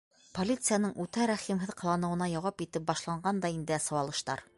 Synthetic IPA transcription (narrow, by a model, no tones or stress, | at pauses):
polʲit̪sɨjanɤɴʉt̪æɾæχimɦɘðqɤ̆lˠɑnɤ̆wɤ̆nɑjɒwɑpit̪ɘp̚bɑʃlˠɑɴɢɑnd̪ɑind̪ɘæsɤ̆wɑlˠɤ̆ʃt̪ɑ̰ɾ